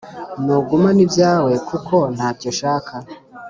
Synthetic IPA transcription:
noɡumanibjaːwe̞kʰukʰo̞n̥haːcoʃaːkʰa

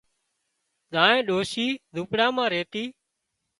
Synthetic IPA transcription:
zãːnẽːɗoːʃiːd̪ʱʊːpɽãːmãːɾeːt̪iː

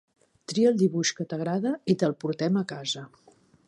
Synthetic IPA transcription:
t̪ɾiəlˠd̪iβuʃkət̪əɣ̞ɾaðəit̪əlˠpuɾt̪ɛməkazə

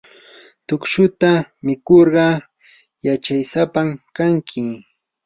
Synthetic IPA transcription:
t̪ʊkʃʊt̪amɪkoɾɢɑ | jat͡ʃajsapamkaŋkʰɪ

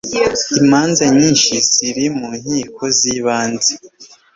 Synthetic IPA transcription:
imaːnzaɲiːnʃisiɾimuɲ̥hiːkʰo̞ziːβaːnze

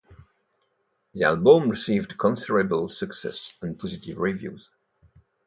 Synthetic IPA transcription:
ðia̰lˠbə̃mɹɪsiːvdkʰɔ̃nsɪɹəbəlˠsəksɛ̰sə̃npʰɔzɪtɪvɹivjṵz̥

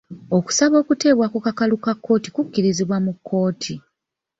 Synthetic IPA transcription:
o̞ku̥saβo̞ːkute̞ːβwakukakalukakːo̞ːtikukːiɾiziβwamukʰːo̞ːtʰi

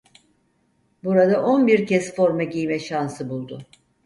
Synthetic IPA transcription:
buɾad̪aʔo̞nbiɾcɛsfo̞ɾmɛɟijmɛʃansɯbulˠd̪ʊ

